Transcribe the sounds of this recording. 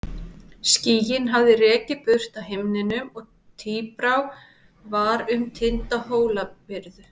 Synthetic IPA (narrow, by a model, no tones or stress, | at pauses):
sciːjɪnɦavðɪrɛːcɪpʏr̥t̪aɦemnɪnʏmɔɣ | t̪ʰiːpɾaw | vaɾʏmt̪ʰɪnt̪aɦoːwlapɪɾðʏ